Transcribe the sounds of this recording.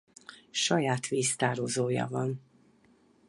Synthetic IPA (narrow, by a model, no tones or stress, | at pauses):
ʃɒjaːt̪ʋiːst̪aːɾozoːjɒ̰vɒn